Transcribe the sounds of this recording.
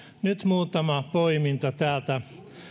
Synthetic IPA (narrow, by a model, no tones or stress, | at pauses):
nyt̪muːt̪ɑmɑpoimint̪ɑt̪æːlt̪æ